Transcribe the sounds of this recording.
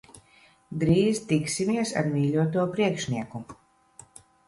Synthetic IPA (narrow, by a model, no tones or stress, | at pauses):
d̪ɾiːzt̪iksimiɛsa̰ɾmʲiːlʲuɔt̪̬uɔpɾiɛkʃnʲiɛku